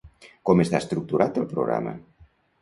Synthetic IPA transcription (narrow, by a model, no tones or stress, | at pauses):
komest̪aest̪ɾuk̚t̪uɾat̪elpɾo̰ɣɾa̰mɐ̰